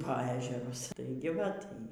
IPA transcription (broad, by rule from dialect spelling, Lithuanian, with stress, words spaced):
poː ˈæːʒʲɛrʊs ˈtɐɪɡʲɪ ʋɐt ˈiː